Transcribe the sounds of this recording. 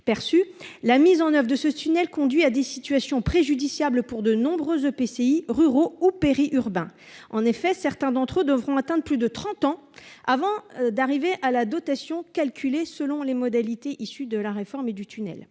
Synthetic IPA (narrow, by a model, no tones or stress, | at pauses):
pɛʁsylamizɑ̃nœvʁd̪əsət̪ynɛlkɔ̃d̪ɥiad̪esit̪ɥasjɔ̃pχeʒyd̪isjabləpuʁd̪ənɔ̃bʁøzøpeseiʁyʁoupeʁiʔyʁbɛ̃ | ɑ̃nefɛsɛʁt̪ɛ̃d̪ɑ̃t̪χød̪əvʁɔ̃at̪ɛ̃d̪ʁplyd̪ət̪χɑ̃t̪ɑ̃avɑ̃d̪aʁiveʔalad̪ɔt̪asjɔ̃kalkʰʲylesəlɔ̃lemɔd̪alit̪eʔisyd̪əlaʁefɔʁmed̪yt̪ʰynɛ̰l